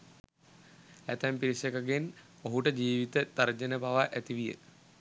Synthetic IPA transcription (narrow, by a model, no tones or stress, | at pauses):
æt̪æmpiɾisekaɡen | oɦuʈəd͡ʒiːʋit̪ət̪aɾd͡ʒənəbaʋaʔæt̪iʋijə̰